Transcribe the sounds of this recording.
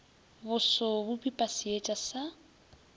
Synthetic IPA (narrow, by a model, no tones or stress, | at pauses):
bʊsɔbʊpʼipʼasɪet͡ʃʼasa